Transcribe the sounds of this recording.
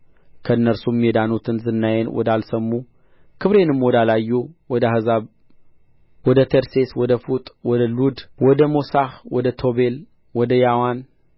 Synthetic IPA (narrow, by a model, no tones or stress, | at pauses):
kʰəɨnːəɾsumːed̪anut̪ʰɨnzɨnːajenwɔ̰d̪alsəmːu | kʰɨβɾe̞nɨmwɔd̪alajːuwɔd̪ahɨzaβ | wɔd̪ət̪ʰeɾse̞swɔd̪əfut̪ʼwɔd̪əlud̪wɔd̪əmosahwɔd̪ət̪ʰo̞be̞l | wɔd̪əjawan